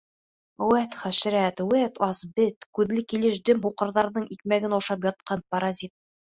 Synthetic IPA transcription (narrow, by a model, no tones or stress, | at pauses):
wæt̪χæʃɾæt̪wæt̪ɒsbɘt̪kʉðlɘkilɘʃd̪ɵmɦuqɤ̆ɾðɑɾðɤɴik̚mæɡɘnɒʃɑp̬jɒt̪̚qɑnpɐɾazʲit̪̚